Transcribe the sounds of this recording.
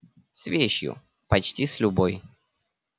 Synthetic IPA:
svʲeɕjʊ̰ | pɐt͡ɕtʲislʲʊboj

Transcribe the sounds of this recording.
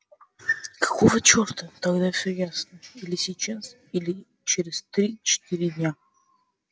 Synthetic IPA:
kɐ̥kovət͡ɕort̪ət̪ɐɡd̪afʲsʲɵjasnəilʲɪsʲɪt͡ɕas | ilʲɪ | t͡ɕeɾʲɪst̪ɾʲit͡ɕɪ̥t̪iɾʲɪd̪ʲnʲa

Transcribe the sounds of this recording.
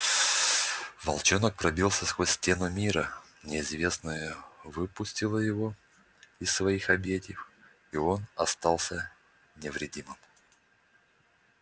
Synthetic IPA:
vɐ̰lˠt͡ɕonək̚pɾɐbʲilˠsʲəskvosʲtʲe̞nʊmʲiɾə | nʲɪɪzvʲe̞snəjəvɨpʊsʲtʲɪlˠəjɪvo̞ | ɪssvɐixɐbʲetʲjɪf | io̞nɐst̪ɑlˠsʲə | nʲɪvɾʲɪdʲimɨm

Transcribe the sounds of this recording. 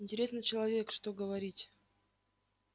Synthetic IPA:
ɪnʲtʲɪɾʲe̞snɨjt͡ɕɪlˠɐvʲe̞kʂt̪oɡəvɐɾʲitʲ

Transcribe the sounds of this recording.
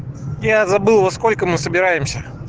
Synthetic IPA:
jazɐbɨlˠvosko̞lʲkəmɨsəbʲɪɾajɪmsʲə

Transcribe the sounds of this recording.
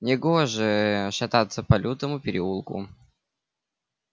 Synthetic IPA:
nʲɪɡoʐɨʂɐt̪at̪səpɐlʲut̪əmʊpʲɪɾʲɪulˠkʊ̰

